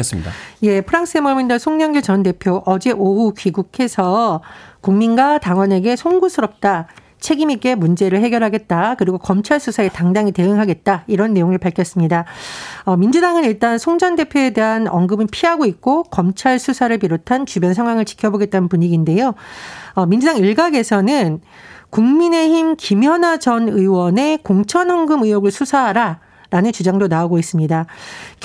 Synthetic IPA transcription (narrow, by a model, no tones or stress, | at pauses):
sje̞pʰɯɾaŋs͈ɯemʌɭmindasʰoŋɲʌŋɡet͡ɕʌnde̞pʰjoʔʌd͡ʑe̞ʔoɦukɥiɡukʰe̞sʰʌkuŋminɡwataŋwʌne̞ɡe̞sʰoŋɡusʰɯɾʌp̚t͈a | t͡ɕʰe̞ɡimik͈e̞mund͡ʑe̞ɾɯɭhe̞ɡjʌɾɦaɡe̞t̚t͈akɯɾiɡokʌmt͡ɕʰaɭsʰusʰae̞taŋdaŋite̞ɯŋɦaɡe̞t̚t͈aiɾʌnːe̞joŋɯɭpaɭkʰjʌs͈ɯmɲidaʌmind͡ʑudaŋɯniɭt͈ansʰoŋd͡ʑʌnde̞pʰjoe̞de̞ɦanʌŋɡɯmɯnpʰiɦaɡoit̚k͈okʌmt͡ɕʰaɭsʰusʰaɾɯɭpiɾotʰant͡ɕubjʌnsʰaŋɦwaŋɯɭt͡ɕi̥kʰjʌboɡe̞t̚t͈anɯnpuɲiɡinde̞joʌmind͡ʑudaŋiɭɡaɡe̞sʰʌnɯn | kuŋmine̞çimkimjʌnad͡ʑʌnɯwʌne̞koŋt͡ɕʰʌnʌŋɡɯmɯjoɡɯɭsʰusʰaɦaɾa | ɾanɯnt͡ɕud͡ʑaŋdonaoɡois͈ɯmɲida